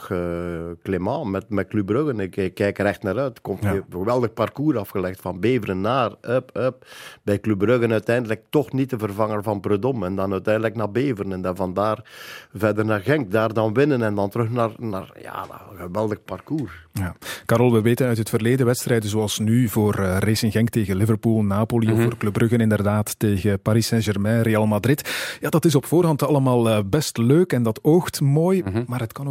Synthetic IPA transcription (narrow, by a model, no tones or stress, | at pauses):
xəklemɑːmɛtmɛklybrøɣənɪkɪkːɛjkrɛxtnaːɾœɥtkɔmɣəʋɛlˠdəxpɑrkuːɾɑfɣəlɛxtfɑnbeːvərənːaːrəpəp̚bɛjklybrøɣənœɥtɛjndələk̚tɔxnit̚dəvərvɑŋərvɑnbrødɔmɛndɑnœɥtɛjndələknaːrbeːvərənɛndavɑndaːrvɛrdərnaːrɣɛŋk̚daːrdɑnʋɪnənɛndɑntəɾɵxnaːrna̰ːrja̰ːɣəʋɛlˠdəxparkuːrjaːkaːɾɔlˠʋəʋeːtənœɥtɦətfərleːdəʋɛtstrɛjdənzoɑlˠsnyvoːrəresɪnɣɛŋkteːɣənlɪvərpuːlˠnaːpoliɔfoːrklɵbrɵɣənɪndərdaːtːeːɣəpaɾisɛnʒɛrmɛrejaːlˠmadrɪtjaːdɑtɪs̬ɔpfoːrɦɑntɑləmaːlˠəbɛstløːkɛndɑtoːxtmoːjmaːrɦətkɑn